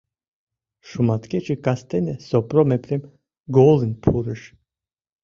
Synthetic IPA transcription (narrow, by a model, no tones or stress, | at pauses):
ʃumat̪kɛt͡ʃikʼast̪ʰɛnɛsɔpɾɔmɛpɾɛm | ɡɔlˠinpʰuɾɨʃ